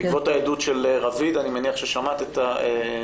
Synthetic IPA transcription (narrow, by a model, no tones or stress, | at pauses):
kvot̪aedutʃeleʁavidanimeniaχʃeʃamat̪etae